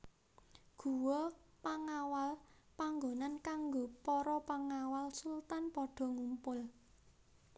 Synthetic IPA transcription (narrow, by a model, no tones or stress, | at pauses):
ɡ̥ṳwɔpaŋawalpaŋɡonankaŋɡopɔɾɔpaŋawalsult̪anpɔɖ̥ɔ̤ŋumpʊl